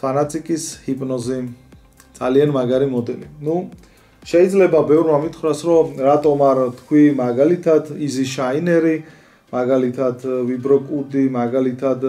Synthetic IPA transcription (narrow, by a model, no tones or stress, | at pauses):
anat̪sʼikʼishipʼnɔzi | d̪z̥a̰lianmaɡaɾimɔd̪ɛlinu | ʃɛid̪zlɛbabɛvɾmamit̪ʰχɾasɾɔɾat̪ʼɔmaɾt̪ʰkʰwimaɡalit̪ʰat̪ʰiziʃainɛɾi | maɡalit̪ʰad̪ʰvibɾɔkʼud̪imaɡalit̪ʰad̪